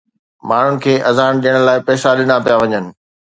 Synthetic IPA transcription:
maːɳ̤ʊnɪ̆kʰeːʔɐzaːɽ̃ɗijəɽ̃laːɪpɛːsaɗɪnapijaʋɐɲənɪ̆

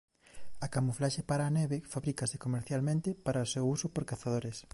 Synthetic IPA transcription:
ɐkamuflaʃepaɾaːnɛβefaβɾikasekomeɾθjalmẽnt̪ɪpaɾɐosewusʊpoɾkaθaðoɾes

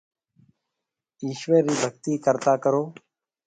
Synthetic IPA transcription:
iːʃʋeːɾːiːbʱəɡt̪iːkəɾt̪aːkəɾoː

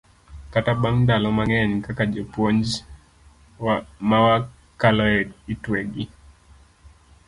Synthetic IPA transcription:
katabaŋndalɔmaŋɛɲkakad͡ʒɛpwɔɲd͡ʒ | wamawa | kalɔɛditwɛɡi

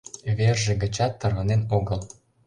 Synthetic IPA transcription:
βerʒĕɡə̆t͡ɕɑt̪ːɤ̆rβɤ̆nenoɣɤ̆lˠ

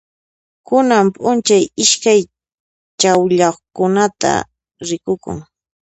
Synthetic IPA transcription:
kʊnampʼʊnt͡ʃajɪʃkaj | t͡ʃawʎaχkʊnat̪a̰ | ɾɪkʊkʊ̰ŋ

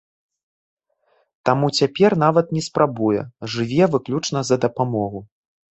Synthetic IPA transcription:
t̪amut͡sʲapʲɛrnavɐt̪̚nʲɛspɾabujɛ̰ʐɨvʲɛvɨklʲut͡ʂnɐzɐd̪ɐpamɔɣu

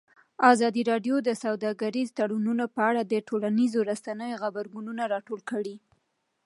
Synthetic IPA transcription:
ɑzɑd̪iɾɑɖjod̪əsawd̪ɑɡaɾizt̪aɽununapəaɽad̪əʈolanizoɾasanəjoxabaɾɡununaɾɑʈolkəɽi

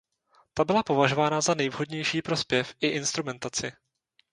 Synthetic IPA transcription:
t̪abɪlapo̞vaʒo̞vaːnazanɛjvɦo̞dɲɛjʃiːpɾo̞spjɛfʔɪʔɪnst̪ɾumɛnt̪at͡sɪ

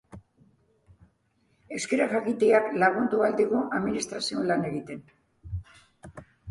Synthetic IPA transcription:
e̞ske̞ɾaxakit̪eaklaɣ̞und̪uald̪iɣuʔaðminist̪ɾasio̞lane̞ɣit̪e̞n

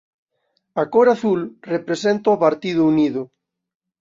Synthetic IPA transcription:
akoɾaθulrepɾesent̪aopaɾt̪iðʊuniðʊ

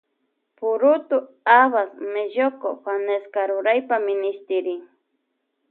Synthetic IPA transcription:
pʊɾʊt̪ʊ | aβasmeʒokoxaneskaɾʊɾajpamɪnɪʃt̪ɪɾɪŋ

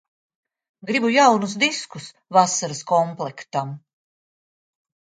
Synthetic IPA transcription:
ɡɾibujawnus̬d̪iskus | vasaɾɨskɔmplˠɛkt̪am

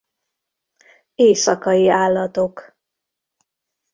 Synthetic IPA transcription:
eːsɒkɒjiaːlːɒt̪o̞k

